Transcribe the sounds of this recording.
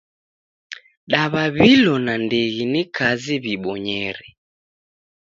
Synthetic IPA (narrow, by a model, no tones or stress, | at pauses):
ɗaβaβilɔnandɛɣinikʰaziβiɓɔɲɛɾɛ